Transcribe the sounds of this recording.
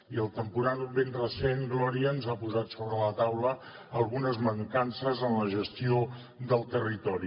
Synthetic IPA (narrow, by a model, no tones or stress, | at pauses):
iəlˠt̪əmpuɾanubenrəsenɡlɔɾiəːnzapuzat̪soβɾələt̪awlə | əlˠɣunəzməŋkansəzənləʒəst̪io | d̪əlˠt̪ərit̪ɔɾi